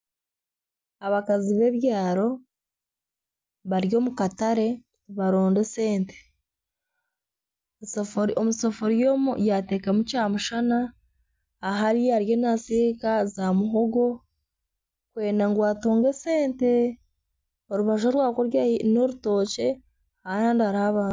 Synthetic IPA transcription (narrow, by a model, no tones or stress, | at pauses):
aβakaziβe̞βjaːɾo̞ | βaɾjo̞ːmukataɾe̞ | βaɾoːnde̞se̞ːnte̥ | omusofoɾijo̞ːmṵjate̞ːkamucaːmuʃanaː | ɦaɾijaɾjo̞nasikazamuɦoɡo̞ | kwe̞ːnaŋɡwaːtuːŋɡe̞se̞ːnte̞ | oɾuβaʃ̬oɾwaːkoɾjaino̞ɾuto̞ːce̞ | ajaːndiaɾaβaː